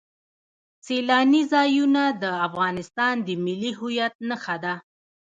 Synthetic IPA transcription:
selɑnizɑjunad̪əafɣɑnɪst̪ɑnd̪əmɪliɦʊjat̪̚nəxad̪a

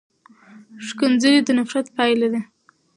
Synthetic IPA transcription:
ʂkənzəɾid̪ənafɾat̪pɑjlad̪e

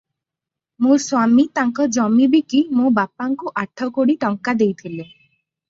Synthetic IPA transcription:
mũɾswamit̪aŋkɔd͡ʒɔmibikimõbapːaŋkuʔaʈʰːɔkoɽiʈɔŋkad̪ejt̪ʰile

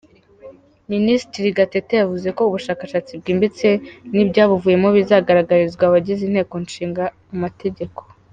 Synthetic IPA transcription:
ministɾiɡatetejavuze̞ko̞uβuʃaːkaʃaːt͡sib̚ɡiːmbit͡se̞nibɟaːβuvuːje̞mo̞βizaːɡaɾaɡaɾizɡwaβaɟizinhe̞ːko̞nʃiːŋɡa | umatʰe̞ɟe̞ko̞̥

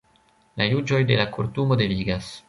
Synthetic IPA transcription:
lajud͡ʒo̞jdelakoɾtumodeliɡas

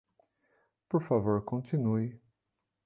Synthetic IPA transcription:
poɾfavoɾkõnt̪ĩnuɪ

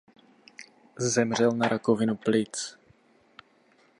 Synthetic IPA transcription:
zɛmr̝ɛlnaɾʔakovɪnuplɪt͡s

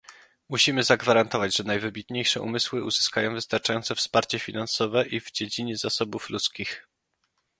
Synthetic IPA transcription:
muɕimɘzaɡvaɾant̪ɔvad͡ʑʐɛnajvɘbʲit̪ɲejʂɛʔṵmɘswɘuzɘ̥skajɔ̃w̃vɘst̪aɾt͡ʂajɔnt̪sɛfspaɾt͡ɕɛfʲinansɔvɛʔivd͡ʑed͡ʑiɲɛzasɔbuflut̪skʲix

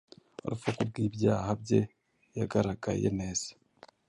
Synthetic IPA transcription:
oɾufokub̚ɡiːbjaːhabje̞ | jaɡaɾaɡa̰jḛne̞ːz̥e̥

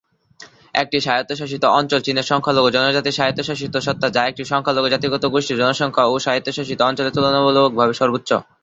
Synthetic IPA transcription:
ḛk̚ʈiʃajot̪ːoʃaʃ̬it̪oɔnt͡ɕolt͡ɕineɾʃɔŋkʰaloɡod͡ʑɔnod͡ʑat̪iʃaɦit̪ːoʃaʃ̬it̪oʃɔt̪ʰːad͡ʑaek̚ʈiʃɔŋkʰaloɡod͡ʑat̪iɡɔt̪oɡoʃʈid͡ʑɔnoʃɔŋkʰaoʃaɦit̪ːoʃaʃit̪oɔnt͡ɕolet̪ulonobolook̚bʱabeʃɔɾbot̪ːɕo̰

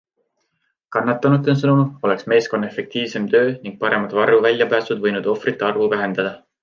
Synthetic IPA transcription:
kɑnːɑt̪ːˑɑnud̪ˑensɤnumo̞le̞ksme̞ːsko̞nːɑe̞fe̞k̚t̪iːvse̞mt̪ø̞ːniŋɡ̥̚pɑɾe̞mɑd̪vɑruvælʲjɑpæːsud̪vɤjnud̪̥o̞frit̪ːˑeɑrvuvæɦe̞nd̪̥ɑd̪̥ɑ

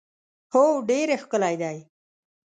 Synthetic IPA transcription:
hoɖeɾexkəlajd̪aj

